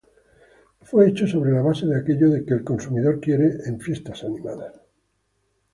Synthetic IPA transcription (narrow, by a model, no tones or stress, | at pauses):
fwe̞et͡ʃoso̞β̞ɾe̞laβ̞ase̞ðeake̞ʎoðe̞keːlko̞nsumiðo̞ɾkje̞ɾeʔeɱfje̞st̪asanĩma̰ðas